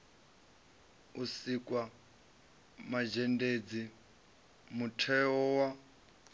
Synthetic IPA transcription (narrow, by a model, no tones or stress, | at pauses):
usikʼwa | mad͡ʒɛnded͡zi | mutʰɛɔwa